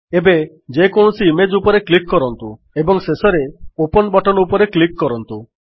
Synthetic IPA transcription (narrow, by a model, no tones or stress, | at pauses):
ebe | d͡ʒekoñusiːmed͡ʒupɔɾeklikːɔɾɔnt̪u | ebɔŋsesɔɾeopɔnbɔʈɔnupɔɾeklikːɔɾɔnt̪u